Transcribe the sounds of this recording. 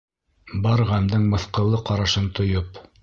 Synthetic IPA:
bɑɾʁæmd̪ɤɴmɤ̆θqɤ̆lˠːɤqɑɾɑʃɤnt̪ŏjop

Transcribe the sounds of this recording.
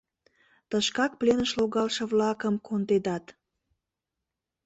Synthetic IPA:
t̪əʃkɑk̚plenəʃloɣɑlʃə̆βlɑkəmkʰond̪ed̪ɑt̪

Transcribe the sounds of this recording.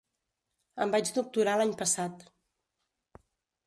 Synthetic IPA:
əmbad͡ʒd̪uk̚t̪uɾalaɲpəsat̪

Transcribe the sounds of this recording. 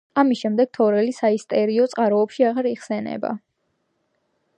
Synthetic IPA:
amisʃɛmd̪ɛɡ̥̚t̪ʰɔɾɛlisaist̪ʼɛɾiɔt̪sʼqʼaɾɔːpʃiaʁaɾiʁsɛnɛ̰ba̰

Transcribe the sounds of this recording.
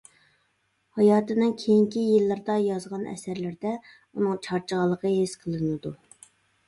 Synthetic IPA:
hɑjɑːt̪ɨnɨŋkʲʰejiŋkʲijilˠːɨɾd̪ɑjɑzʁɑnɛ̰sæɾlɪɾd̪ɛ | unɨŋt͡ʃʰɑɾt͡ʃʰəʁəlˠːəqʰəɦesqʰəlˠɨnɨd̪u

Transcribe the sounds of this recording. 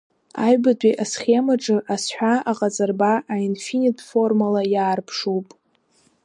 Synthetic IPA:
ajbadʷʼiʔasχʲemaʈ͡ʂʼɨʔasħʷᶣaaqʼat͡sʼarbaʔainfinitʰʼfo̞rmalajaːrpʰʂuwpʼ

